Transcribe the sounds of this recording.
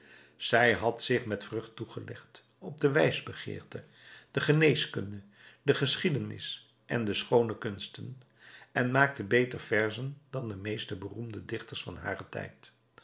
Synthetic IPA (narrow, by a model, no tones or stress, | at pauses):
z̥ɛjɦɑtsɪχmɛtfrɵχtuχəlɛχt | ɔb̚dəʋɛjzbəχɪ̰ːɹtə | d̥əχənejskɵndə | dəχəsχidənɪ̰s | ʔɛndəsχownəkɵnstən | ɛnmaːk̚təbejtəɹfɛɹzəndɑndəmejstəbərumdədɪχtəɹsfɑ̰nɦa̰ːrətɛ̰jt